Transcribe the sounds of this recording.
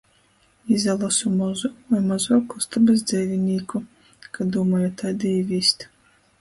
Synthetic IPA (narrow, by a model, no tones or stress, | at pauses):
izalˠasumɔzuajmazɔːkɔst̪abɛs̬d̪zɛjvʲinʲiːku | kad̪uːmɔːjat̪ad̪iivʲiːsʲt̪